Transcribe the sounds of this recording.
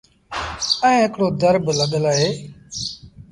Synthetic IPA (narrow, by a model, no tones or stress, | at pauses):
əĩːɦɪkɽoːd̪əɾbləɠəlaːɦeː